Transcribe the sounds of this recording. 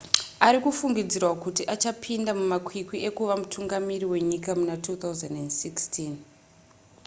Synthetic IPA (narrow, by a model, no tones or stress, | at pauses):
aɾikufuŋɡid͡zirwakutiʔat͡ʃapʰindamumakʰwikwie̞kuʋamutʰuŋɡamiriwe̞ɲikamunatʰuːt̪awzandendsikstʰin